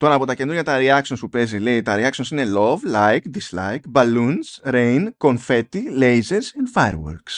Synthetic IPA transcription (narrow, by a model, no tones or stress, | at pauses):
t̪o̞ɾɐːpo̞t̪ɐcend̪ɾoʝɐt̪ɐɾiɐksonspupe̞zile̞it̪ɐɾiɐksonsine̞lo̞vlɐjkd̪islɐ̰jkbɐlunsɾejnko̞nfe̞t̪ile̞jzeɾsenfajɾwo̰ɾks